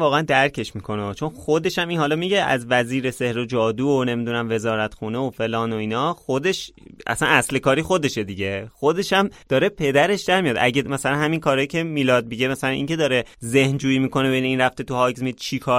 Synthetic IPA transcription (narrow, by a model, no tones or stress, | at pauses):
vɒːɣeænd̪æɾcʰe̞ʃmiːkʰo̞nɒt͡ʃʰo̞nxo̞d̪e̞ʃæminhɒːlɒmiɟe̞æ̰zvæziːɾe̞se̞hɾod͡ʒɒːd̪uːone̞miːd̪uːnæmve̞zɒːɾæt̪xuːneofe̞lɒːno̞iːnɒːxod̪e̞ʃæ̰sænæsle̞kɒːɾixo̞d̪e̞ʃe̞d̪iɟe̞xo̞d̪e̞ʃæmd̪̥ɒːɾe̞pʰe̞d̪æɾe̞ʃd̪æɾmijɒːd̪ʔæɟemæsælænhæminkʰɒːɾɒːjicʰe̞miːlɒːd̪̚biɟemæsælænʔḭŋcʰe̞d̪ɒːɾeze̞hnd͡ʒuːjiːmiːko̞nebejneiːnræft̪et̪ʰuhɒːɡzmiid̪̚t͡ʃʰikʰɒː